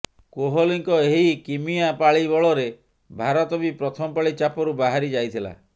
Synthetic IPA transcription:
koɦɔliŋkɔeɦikimijapaɭibɔɭɔɾe | bʱaɾɔt̪ɔbipɾɔt̪ʰɔmɔpaɭit͡ʃapɔɾubaɦaɾid͡ʒajt̪ʰila̰

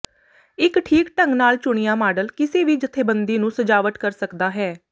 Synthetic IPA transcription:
ɪkʈʰiːkʈə̃ŋɡnaːlt͡ʃʊɳ̃ɪjãːmaːɖəlkɪseːʋiːd͡ʒɪt̪ʰːeːbənd̪iːnũːsəd͡ʒaːʋət̪kəɾsəkd̪aːɦɛː

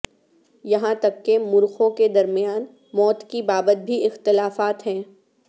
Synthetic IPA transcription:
jɐɦãt̪ɐkːemʊɾxõked̪ɐɾmijaːn | mɔːt̪kibaːbət̪̚bʱiɪxt̪ɪlaːfaːt̪ɦɛ̃ː

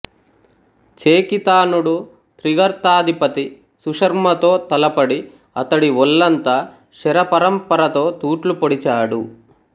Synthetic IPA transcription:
t͡ʃeːkit̪aːnuɽu | t̪ɾiɡɐɾt̪aːd̪ʱipɐt̪i | suʂɐɾmɐt̪o̞ːt̪ɐlɐpɐɽi | ɐt̪ɐɽiʋɔlːɐnt̪a | ʃɛɾɐpɐɾɐmpɐɾɐt̪o̞ːt̪uːʈlupoɽit͡ʃaːɽu

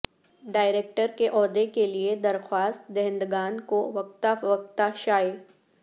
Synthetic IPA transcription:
ɖaːɪɾeːk̚ʈəɾkeʔɔːd̪ekelied̪ɐɾxwaːst̪d̪ɛɦɛ̃nd̪ɡaːnkoʋɐk̚t̪aʋɐk̚t̪aʃaːeː

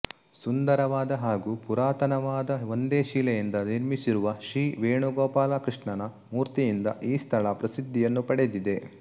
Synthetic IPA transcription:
sund̪ɐɾɐʋaːd̪ɐɦaːɡuːpuɾaːt̪ɐnɐʋaːd̪ɐond̪eːʃiːlɛjɐnd̪ɐniɾmisiɾuʋɐʃɾiːʋeːɳuɡɔːpaːlakɾiʂɳɐnɐ | muːɾt̪ijind̪ɐʔiːst̪ʰɐɭɐpɾɐsid̪ʱːijɐnːupɐɽe̞d̪id̪e̞

